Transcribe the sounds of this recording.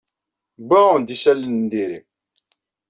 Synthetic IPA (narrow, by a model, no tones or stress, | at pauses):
bæʁənd̪isælːənnd̪iɾḭ